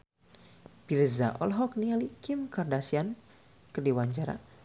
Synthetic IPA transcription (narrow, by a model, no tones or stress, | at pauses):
pirza̰ʔɔ̰lɦɔknialikimkardasian | kərdiwaɲt͡ʃaɾa̰